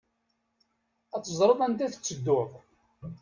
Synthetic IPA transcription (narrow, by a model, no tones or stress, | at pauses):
æt͡sːəzˤɾˤəðˤænt̪æθə̥t͡sːəd̪ːʊðˤ